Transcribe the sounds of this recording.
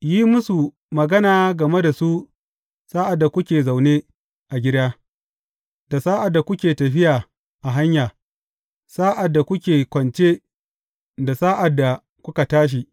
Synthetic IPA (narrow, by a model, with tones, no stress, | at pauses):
jiː˦mʊ˦su˨ | mɐ˨ɡɐ˦naː˨ɡɐ˨me˦da˨su˦ | saː˦ʔa˨dːa˨kʷʊ˦kʲeː˨za˨wneː˦ | ʔa˨ɡʲɪ˦daː˦ | da˨saː˦ʔa˨dːa˨kʷʊ˦kʲeː˨tɐ˨ɸɪ˦jaː˨ | ʔa˨ɦa˦ɲjaː˨ | saː˦ʔa˨dːa˨kʷʊ˦kʲeː˨kʷɔ˨nt͡ʃeː˦ | da˨saː˦ʔa˨dːa˨ | kʷʊ˦ka˨taː˦ʃ̬i˨ʔ